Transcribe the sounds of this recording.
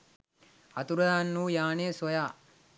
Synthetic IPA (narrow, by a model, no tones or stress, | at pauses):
at̪uɾɐɦanːuːjaːneːsojaː